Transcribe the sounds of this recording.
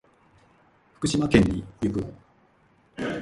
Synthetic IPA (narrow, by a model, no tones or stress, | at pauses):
ɸɯ̥kɯ̟ɕimakẽɲ̟ːijɯkɯo